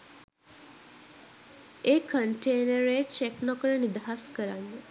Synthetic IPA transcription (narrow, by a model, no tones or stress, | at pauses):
eːkʰəɳʈeːnəɾet͡ʃeknɔkəɾənid̪aɦaskəɾanːe